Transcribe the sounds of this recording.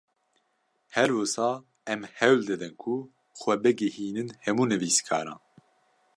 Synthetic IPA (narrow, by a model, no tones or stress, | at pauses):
hɛɾwusɑː | ɛmhɛwld̪ɨd̪ɨnkʰu | xʷɛbɨɡɛhiːnɨnhɛmuːnɨviːskʰɑ̰ːɾɑ̰̃ːn